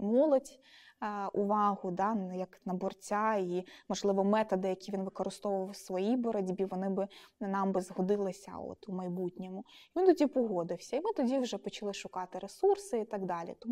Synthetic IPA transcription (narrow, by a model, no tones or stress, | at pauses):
mɔlˠɔdʲ | ʊʋɑɦʊd̪ɑjɐknɐbɔrt͡sʲaimɔʒlˠɪʋɔmɛt̪ɔd̪ɪjɐkʲiʋʲinʋɪkɔɾɪst̪ɔʋʊʋɐwsʋɔjibɔɾɔdʲbʲiʋɔnɪbɪnɑmbɪzɦɔd̪ɪlˠɪsʲɐ̰ɔ̰t̪ʊmɐjbutʲnʲɛmʊiʋʲint̪ɔdʲipɔɦɔd̪ɪwsʲɐimɪt̪ɔdʲiwʒɛpɔt͡ʃɐlˠɪʃʊkɑt̪ɪɾesursɪit̪ɑɡd̪ɑlʲḭt̪ɔm